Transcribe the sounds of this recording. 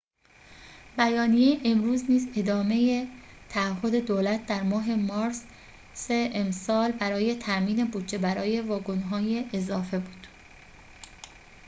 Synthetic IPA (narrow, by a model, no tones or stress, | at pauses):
bæjɒːnijejeʔemɾuːzniːze̞d̪ɒːme̞jet̪ʰæːɦːo̞d̪e̞d̪oːlæt̪̚ʰd̪æɾmɒːɦe̞mɒːɾs | seemsɒːlbæɾɒːje̞t̪ʰæmiːne̞buːd̪d͡ʒe̞bæɾɒːje̞vɒːɡonɦɒːjeʔːzɒːfe̞buːd̪̥